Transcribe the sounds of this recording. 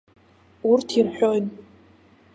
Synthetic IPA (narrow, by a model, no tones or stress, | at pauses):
ʊrtʰirħʷᶣojn